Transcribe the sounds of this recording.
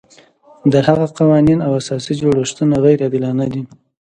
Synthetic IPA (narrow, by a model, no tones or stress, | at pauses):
d̪əhaɣaqawɑninawasɑsid͡ʒoɽəʃt̪unaɣajɾad̪ɪlɑnad̪i